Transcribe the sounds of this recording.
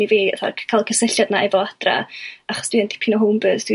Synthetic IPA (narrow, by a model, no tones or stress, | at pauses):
iviːə̰θa̰kʰalˠkʰəsɪɬjadnaɛvɔad̥ra̰aχɔ̥sd̥wiənd̥ipʰinɔɦʊmbəːðd̥wi